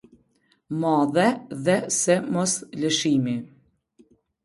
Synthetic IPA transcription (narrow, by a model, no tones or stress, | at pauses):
mɔðɛðɛsɛmɔsləʃimi